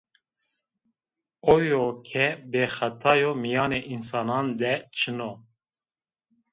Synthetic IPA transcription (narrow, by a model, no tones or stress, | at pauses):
ojoːkʰɛbeːxɛt̪ʰɑːjomijɑːneːʔinsɑːnɑːnd̪ɛt͡ʃʰɨno